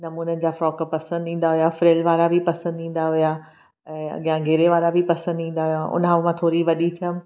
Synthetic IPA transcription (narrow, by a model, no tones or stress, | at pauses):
nɐmuːnənɪ̆d͡ʑaːfɾɔːkpɐsə̃nd̪ĩːnd̪aʋijafɾeːlʋaːɾabʱɪpɐsə̃nd̪ĩːn̆d̪aʋija | ɛ̃ːɐ̰ɠijãɡʱeːɾeʋaːɾabʱɪpɐsə̃nd̪ĩːn̆d̪aɦijaʔʊ̰nɦaʋmãːt̪ʰoːɾiʋɐɗit̪ʰijəm